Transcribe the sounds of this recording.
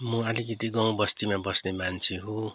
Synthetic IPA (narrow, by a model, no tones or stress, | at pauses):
mʌʌlikɡit̪iɡʌ̃w̃bʌst̪imabʌsnemant͡sʰeɦo